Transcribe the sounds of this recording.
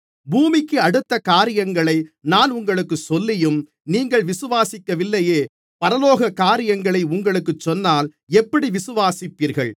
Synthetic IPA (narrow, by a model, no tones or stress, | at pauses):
buːmɪkːɯɐɽɯt̪ːɐkaːɾɪjɐŋɡɐɭɐɪnaːnʊŋɡɐɭɯkːɯsɔlːɪjɯm | niːŋɡɐɭʋɪsɯʋaːsɪkːɐʋɪlːɐjeː | pɐɾɐloːɣɐkːaːɾɪjɐŋɡɐɭɐɪʊŋɡɐɭɯkːɯt͡ʃːɔnːaːl | ɛpːɐɽiʋɪsɯʋaːsɪpːiːɾɣɐɭ